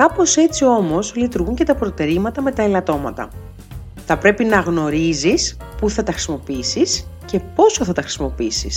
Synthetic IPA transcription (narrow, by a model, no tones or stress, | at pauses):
kɐpo̞se̞t͡sio̞mo̞zlit̪uɾɣuɲce̞t̪ɐpɾo̞t̪e̞ɾimɐt̪ɐme̞t̪ɐelɐt̪o̞mɐt̪ɐ̰ | θɐpɾe̞pinɐɣno̞ɾizis | puθɐt̪ɐxɾisimo̞piisisce̞po̞so̞θɐt̪ɐxɾisimo̞piisḭs